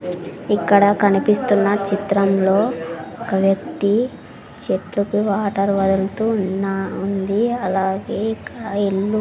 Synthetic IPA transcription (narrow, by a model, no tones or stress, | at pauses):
ikːɐɽɐkɐnipist̪unːɐt͡ʃit̪ɾɐmlo̞ːɔkɐʋjɐk̚t̪i | t͡ʃeʈlukuʋaːʈɐɾʋɐd̪ɐlt̪unːaund̪iɐlaːɡe̞ːikːɐɽɐeɭːu